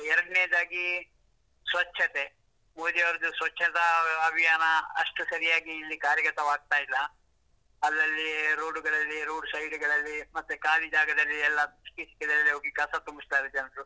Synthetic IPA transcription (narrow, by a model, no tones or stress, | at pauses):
ɛɾɐɽneːd̪aːɡi | sʋɐt͡ʃʰːɐt̪e | moːd̪ijɐʋɐɾɐd̪usʋɐt͡ʃʰːɐt̪ɐːbʱijaːnɐɐʂʈusɐɾijaːɡiːlːikaːɾjɐkɐt̪ɐʋaːɡ̚t̪aːjilːɐ | ɐlːɐlːiɾoːɖuɡɐɭɐlːiɾoːɖsɐjɖuɡɐɭɐlːimɐt̪ːukaːlid͡ʒaːɡɐd̪ɐlːiɛlːɐskisi̥kɛd̪ɐlːiɦoːɡikɐsɐt̪umbist̪aːjɾd͡ʒɐnɾu